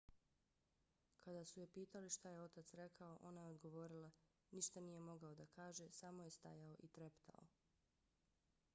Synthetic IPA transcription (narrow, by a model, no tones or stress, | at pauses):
kʰad̪asujepiːt̪aliʃt̪aje̞o̞t̪at̪sɾe̞kʰao̞ʔo̞najeod̪ɡo̞ʋo̞ɾila | niʃt̪anije̞mo̞ɡaod̪akaːʒe̞samo̞jest̪a̰jaoʔit̪ɾept̪a̰o̰